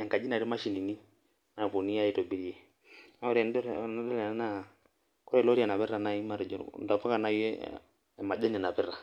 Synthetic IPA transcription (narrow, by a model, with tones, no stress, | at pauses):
ɛ˨ŋka˨d͡ʒi˦na˨ɾi˦ma˦ʃi˨ni˨ni˦ | na˨po˨ni˦a˦i˦tɔ˨bi˦ɾi˦ɛ˨ | na˦ɔ˦ɾɛ˨ndɔ˦dɔ˦lna˦na˦ | kɔ˦ɾɛ˨lɔ˦ɾi˦a˨na˨βɛ˦ɾa˨na˨i˦ma˨ɾɛ˨d͡ʒɔ̰˨n˨da˨pa˦ka˨na˨i˦ɛ̰˦˨ | ma˨dɛ˦nɛ˨na˨pɛ˦ɾa˨